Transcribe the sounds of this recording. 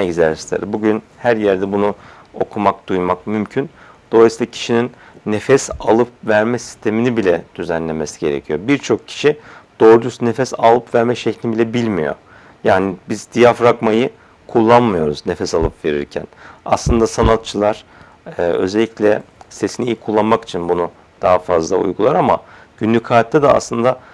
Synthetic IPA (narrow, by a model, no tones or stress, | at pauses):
eɟzæɾist̪ʰḛɾɛbuɟynhæɾjæɾd̪ɛbunu | o̞kʰumak̚d̪̥ujmakmymcʰynd̪̥olˠajisilˠacʰi̥ʃininːefɛsalˠɯpvæɾmɛsi̥st̪ʰe̞minibilʲɛd̪̥yzænlʲemesi̥ɟe̞ɾḛcʰijo̞biɾt͡ʃʰo̞kcʰi̥ʃid̪̥o̞ːɾud͡ʒusnefɛsalˠɯpvæɾmɛʃɛcʰlʲinbilʲɛbilʲmḭjo̞̰ | jaːnibizd̪ijafɾakmajɯ | kʰulˠːanmɯjo̞ɾuznefɛsalˠɯpve̞ɾḭɾcʰæ̰na̰slˠɯnd̪asanat̪̚t͡ʃʰɯlˠaɾ̥ː | ø̞̰zelʲːiclʲɛse̞sinijikʰulˠːanmaki̥t͡ʃʰinbunu | d̪̥aɦafazlˠa̰ṵjɡulˠaɾama̰ | ɟ̥ynlʲycʰaːt̪ʰːɛd̪ɛa̰slˠɯnd̪a